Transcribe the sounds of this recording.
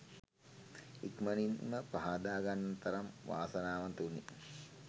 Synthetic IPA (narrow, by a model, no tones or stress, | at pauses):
ikməninməpaɦad̪aːɡanːɐt̪ɐɾɐmʋa̰ːsɐnaːʋɐnt̪uni